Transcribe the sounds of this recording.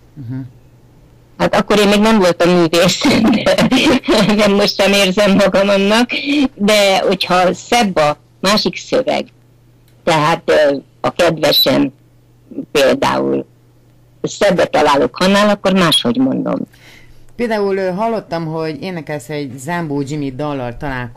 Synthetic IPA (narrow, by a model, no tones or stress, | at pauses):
ɦ̩ | hat̪ɒkːo̞ɾeːmmeːɡnɛɱvo̞lt̪ɒmːyːveːsɛnd̪ɛ | nɛmːo̞ʃt̪ʃɛmeːrzɛmːɒɡɒmɒnːɒkd̪ɛho̞chɒsɛbːɒ | maːʃiksøvɛ̰ɡ | t̪ɛɦaːt̪ | ɒkɛd̪vɛʃɛ̰n | peːld̪a̰ːṵl | sɛbːɛt̪ɒlaːlo̰khɒnːaːlɒkːo̞rmaːʃho̞ɟmo̞nd̪o̰m | peːld̪aːulɦɒlːo̞t̪ːɒmɦo̞ɟeːnɛkɛlsɛɟzamboːd͡ʒimid̪ɒlːɒrt̪ɒlaːlk